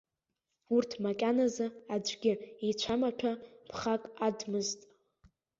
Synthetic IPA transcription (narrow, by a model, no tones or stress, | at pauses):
urtʰmakʲʼanazaad͡ʒʷʰʼɡʲɪit͡ʃʷʰamaʈ͡ʂʷʰapʰχakʼadmɨztʼ